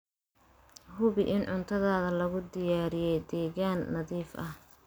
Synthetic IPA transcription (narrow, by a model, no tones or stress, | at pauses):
hʊβɪʔɪnʕʊnt̪ʰɐðaːðɐlɐɣʊd̪ɪjaːɾɪjɛjd̪ɛːɣaːnːɐðiːfʔɐ̰h